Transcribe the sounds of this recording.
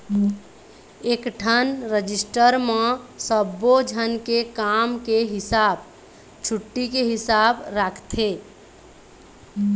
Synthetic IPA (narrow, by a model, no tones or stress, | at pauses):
eːkʈʰənɾəd͡ʒɪsʈəɾmẽsəbod͡ʒʱənkekaːmkeɦɪsaːb | t͡ʃʰʊʈːikeɦɪsaːbɾakʰt̪ʰeː